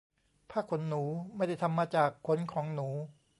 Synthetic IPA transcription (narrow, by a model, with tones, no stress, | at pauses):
pʰaː˥˩kʰo˩˦nːuː˩˦ma˥˩jda˥˩jt̪ʰa˧mːaː˧t͡ɕaː˨˩kʰːo˩˦nkʰɔː˩˦ŋnuː˩˦